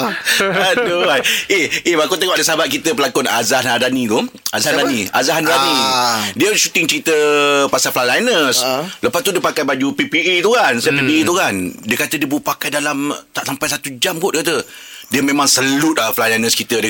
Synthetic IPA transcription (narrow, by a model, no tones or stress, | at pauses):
at̪uwajehʔebakut̪ːəŋaʔadəsaabat̪̚kit̪əpəlakʊna̰zahnadanĩt̪uazahadaniazaɦanɾanidiəʃut̪ɪŋt͡ʃəɾit̪əpasalflajlajnəsləpast̪udiəpakajbad͡ʒupipiʔet̪ukansaapipiet̪ukandiəkat̪ədiəbuuʔpakajdalamt̪aʔsampajsat̪ud͡ʒamɡɔʔdiəkat̪ədiəmẽmãŋsəlʊt̪̚laflajlajnəskit̪əd